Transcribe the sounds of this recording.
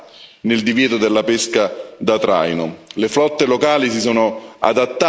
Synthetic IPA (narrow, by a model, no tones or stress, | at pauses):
nɪld̪ivjɛːt̪ʊd̪elːapeskad̪at̪ɾa̰jnʊleflɔt̪ːelokaːlis̬isoːnʊa̰d̪at̪ː